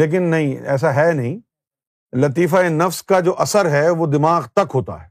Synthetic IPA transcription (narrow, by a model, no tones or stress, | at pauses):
eːk̬ɪnːɐɦĩɛ̰ːs̬aɦɛːnɐɦĩː | lɐt̪iːfaenɐfskad͡ʒoːʔɐsəɾɦɛʋoːd̪ɪmaːɣt̪ɐkɦoːt̪a̰ɦɛː